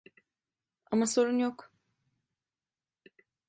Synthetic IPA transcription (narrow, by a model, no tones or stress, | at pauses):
amaso̞ɾunjok